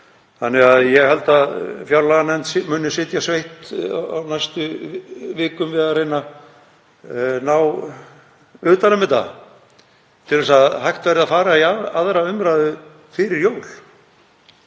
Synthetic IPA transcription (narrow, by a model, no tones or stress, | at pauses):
θanːɛɣaðjɛɣhɛl̪t̪aðfjawlaɣanɛnt̪sɪmʏːnːɪsɪːt̪jasvejht̪a̰najst̪ʏvɪːkʏmvɪðarejna | naw | ʏːt̪anʏmɪt̪a̰ | t̪ʰɪlvɛsaðɦajxt̪vɛɾɪðafaːɾaiaaðɾaʏmɾaðʏ | fɪɾɪɾjoːwl̥